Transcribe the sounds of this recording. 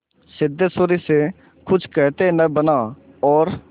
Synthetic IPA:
sɪd̪ʱːesʊɾise | kʰʊt͡ʃkɛːt̪enəbənaː | ɔːɾ

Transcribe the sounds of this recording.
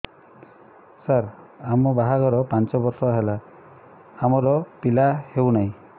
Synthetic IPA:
saɾamɔbaɦaɡɔɾɔpant͡ʃɔbɔɾsɔɦelaː | mɔɾɔpilahewnaĩ

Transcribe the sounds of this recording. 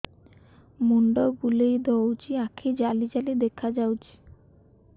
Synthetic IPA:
muɳɖoɡulejd̪ɔwt͡ɕiakʰed͡ʑalid͡ʑalid̪ekʰad͡ʑawt͡ɕʰi̥

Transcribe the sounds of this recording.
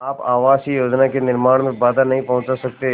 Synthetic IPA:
aːpaːʋaːsijoːd͡ʒnakenɪɾmaːɽ̃mẽbaːd̪anɐɦĩpɐɦʊ̃t͡ʃasɐk̚t̪e

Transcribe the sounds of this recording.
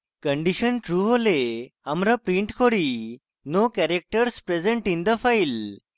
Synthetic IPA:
kəɳɖiɕənʈɾuːɦoleamɾapɾiɳʈkʰoɽi | nokɛɾek̚ʈəɾspɾed͡zẽɳʈind̪əfajl

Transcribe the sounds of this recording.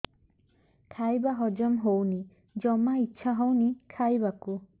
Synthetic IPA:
kʰajbaɦɔd͡ʒɔmɦowni | d͡ʒɔmaitːʃʰaɦɔwnikʰajbaku

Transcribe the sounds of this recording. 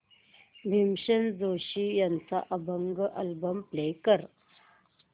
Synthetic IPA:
bʱimɕənd͡zoɕijant͡sa̰ʔəbəŋɡʔəlbəmplejkəɾ

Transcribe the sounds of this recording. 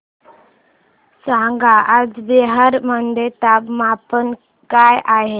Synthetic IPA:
sãŋɡʱaʔad͡zbeɦaɾmənd̪ʱet̪abmapən | kajaɦe

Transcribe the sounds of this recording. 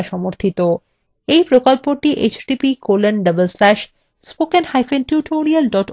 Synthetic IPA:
ʃɔmoɾt̪ʰit̪o | ejpɾokolpoʈːiʔet͡ɕɖipikolenɖəbəlslɛʃ | spokenhajfenʈjuʈʰoɾialɖɔʈ

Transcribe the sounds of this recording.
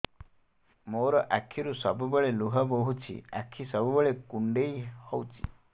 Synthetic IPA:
moɾɔʔakʰːiɾusɔbubeɭeluɦɔboɦut͡ʃʰḭa̰kʰːisɔbubeɭekuɳɖejhɔwt͡ʃʰi̥̰

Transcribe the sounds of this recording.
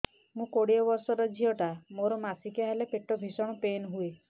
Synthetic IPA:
mũkoɽiɔbɔɾsɔɾɔd͡ʒʱiɔʈamoɾɔmasikaɦelepeʈɔbʱisɔɽ̃ɔpenɦue

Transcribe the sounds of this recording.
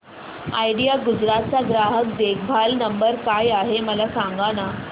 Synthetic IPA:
a̰jɽijaɡud͡zɾat̪̚t͡saɡɾaɦəkd̪ekʰbʱalnəmbəɾkajaɦeməlasaŋɡana

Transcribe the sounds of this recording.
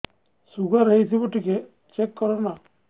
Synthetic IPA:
suɡaɾɐɦit̪ibɔʈːike | t͡ʃekːɔɾona

